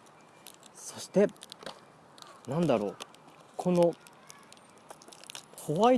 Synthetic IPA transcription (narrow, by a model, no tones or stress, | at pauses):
so̞ɕi̥t̪e̞ | nãnd̪aɾo̞ː | kʰo̞no̞ | hoβai